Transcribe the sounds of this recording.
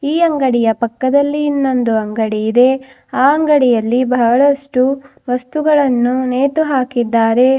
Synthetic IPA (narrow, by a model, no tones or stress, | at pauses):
iːɐŋɡɐɽijɐpɐkːɐd̪ɐlːiːnːond̪uɐŋɡɐɽiːd̪e̞ | aːɐŋɡɐɽijɐlːibɐɦɐɭɐʂʈu | ʋɐst̪uɡɐɭɐnːuneːt̪uɦaːkid̪ːaːɾe̞